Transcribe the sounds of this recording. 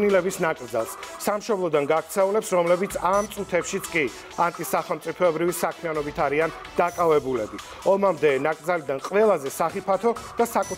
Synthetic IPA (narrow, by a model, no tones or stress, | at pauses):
nilɛbisnakʼɾd̪za̰lˠssamʃɔblˠɔd̪anɡak̚ʰt̪sʰɛulɛpsɾɔmlɛbit̪sʰamt̪sʼut̪ʰɛpʃit̪sʰkʼi | ant̪ʼisaχɛlˠmt̪sʼipʰɔɛbɾivisakʰmianɔbit̪ʰaɾian | d̪̥akʼavɛbulɛbi | ɔmamd̪ɛnakʼd̪zalid̪anqʼvɛlˠazɛsaχipʰat̪ʰɔd̪̥asakʼu